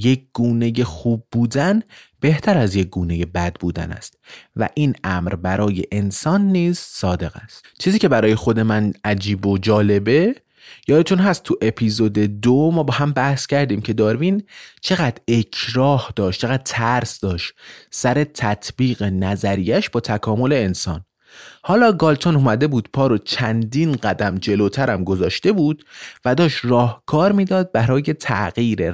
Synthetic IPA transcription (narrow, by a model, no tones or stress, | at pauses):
jek̚ɡ̥uːne̞jexuːb̚ːuːd̪ænb̥e̞ht̪ʰæɾæzjec̚ɡ̥uːne̞je̞bæd̪̚buːd̪æ̰næ̰st̪̚væ̰ʔiːnæmɾbæɾɒːje̞ʔensɒːnːiːz̥sɒːd̪e̞ɣæ̰st̪t͡ʃʰiːziːcʰe̞bæɾɒːje̞xo̞d̪e̞mænʔæd͡ʒiːbod͡ʒɒːle̞be | jɒːd̪et̪ʰunɦæst̪t̪ʰːuʔe̞pʰizo̞d̪e̞d̪omɒːbɒːhæmbæhscʰæɾd̪iːmcʰe̞d̪ɒːɾvint͡ʃʰe̞ɣæd̪ɾe̞cʰɾɒːhd̪̥ɒːʃtt͡ʃʰeɣæd̪̥̚t̪ʰæɾsd̪ɒːʃt̪sæɾe̞t̪ʰæt̪ʰbiːɣe̞næzæɾijæʃbɒːt̪ʰækʰɒːmo̞le̞ːnsɒ̰ːn | hɒːlɒːɡɒːlt̪ʰonumæd̪e̞buːd̪̥pʰɒːɾot͡ʃʰænd̪inɢæd̪æmd͡ʒe̞loːt̪ʰæɾæmɡo̞zɒːʃt̪e̞buːd̪̥væd̪ɒːʃt̪rɒːhkʰɒːɾmiːd̪ɒːd̪̚bæɾɒːje̞t̪ʰæ̰ʔɢiːɾe